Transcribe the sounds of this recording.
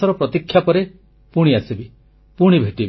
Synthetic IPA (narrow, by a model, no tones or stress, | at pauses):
ɔɾɔpɾɔt̪ikʰːjapɔɾe | puɽ̃iasibi | puɽ̃ibʱeʈib